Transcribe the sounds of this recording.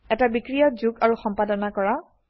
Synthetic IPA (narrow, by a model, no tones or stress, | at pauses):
ɛtabikɹijɔzuɡaɹuxɔmpadɔnakɔɹa